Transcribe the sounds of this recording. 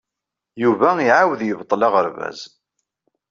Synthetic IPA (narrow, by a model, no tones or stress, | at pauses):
juvæiʕawəðjəvt̪ˤːlɑʁəɾvæ̰z